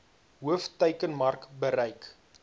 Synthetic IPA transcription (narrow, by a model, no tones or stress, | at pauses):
ɦuəftəɥkənmɐrkbəɾɛjk